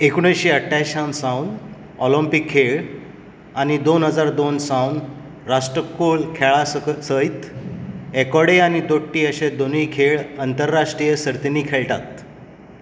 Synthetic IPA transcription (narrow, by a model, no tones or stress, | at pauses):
ekuɽ̃əɕiəʈʰːaɕansaun | ɔlimpikʰːeɭ | añid̪onɦəd͡zaɾd̪onsãun | ɾaʂʈəkːolkʰeɭasəjt̪ | ekɔɽeanid̪oʈːiːəɕed̪onəjkʰeɭant̪əɾːaʂʈɾijəsəɾt̪iniːkʰeɭʈa̰t̪̚